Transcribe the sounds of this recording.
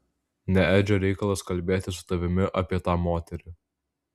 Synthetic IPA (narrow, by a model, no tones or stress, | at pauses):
nʲɛæːd͡ʒʲoːɾʲɛɪkɐlˠɐskɐlʲbʲeːt̪ʲɪsʊ̥t̪ɐʋʲɪmʲɪʔɐpʲiɛt̪ɑːmoːt̪ʲɛɾʲɪ